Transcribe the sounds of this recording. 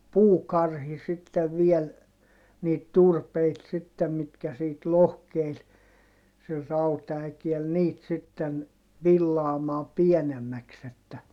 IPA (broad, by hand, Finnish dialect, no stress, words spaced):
puːkɑrhi sitːeʋ ʋiɛl niːt turpeit sitːem mitkæ siːt lohkeil sil rɑutɑækiɛl niːt sitːen ʋilːɑːmɑː piɛnemːæks etːæ